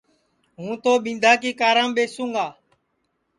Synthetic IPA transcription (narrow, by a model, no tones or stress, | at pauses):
ɦũːt̪oːɓɪ̃ːnd̪ʱaːkiːkaːɾãːmɓeːsũːŋɡaː